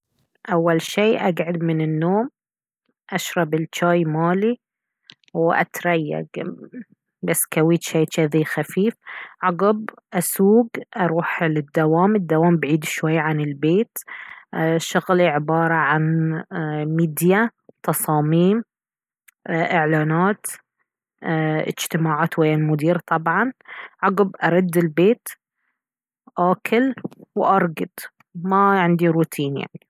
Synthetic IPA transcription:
ʔawːalʃiːʔaɡʕʊd̪mɪnɪnːoːm | ʔaʃɾˤɑbɪlt͡ʃaːjmaːli | wʔa̰t̪ɾˤajːa̰ɡ | basːkawiːt̪ʃaːt̪ʃaðixafiːfʕɑɡɑb | ʔasuːɡʔɑɾˤuːħlɪd̪ːawaːmɪd̪ːawaːmbʕiːd̪ʃwajːaʕanɪlbeːt̪ | ʃʊɣliʕɪbɑːɾˤɑʕan | miːd̪jat̪ɑsˤɑːmiːm | ʔɪʕlaːnaːt̪ | ʔɪ̰d͡ʒt̪ɪmaːʕaːt̪wajːalmʊd̪iːɾt̪ˤɑbʕɑnʕɑɡɪbʔɑɾˤʊd̪ːɪlbeːt̪ | ʔaːkʰɪlwʔɑɾˤɡɪd̪̥ | maʕɪnd̪iɾuːt̪ʰiːnja̰ʕni

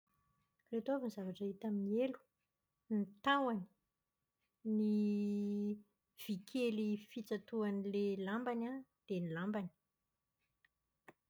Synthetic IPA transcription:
ret̪oavinzavaʈ͡ʂaɦit̪amnelu̥ | nit̪awani̥ | ni | v̥ikʰelifit͡sat̪uanilelambanad̪̥enilambani̥

